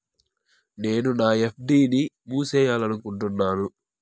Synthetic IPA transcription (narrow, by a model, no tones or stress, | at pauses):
ne̞ːnunaːepʰɖiːni | muːsɛːjaːlɐnukuɳʈunːaːnu